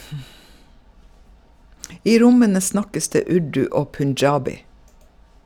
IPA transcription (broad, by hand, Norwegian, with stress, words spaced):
ˈiː ˈɾʊmənə ˈsnɑkəs ˈdeː ˈʉɖʉ ˈoː pʉnˈd͡ʒɑːbɪ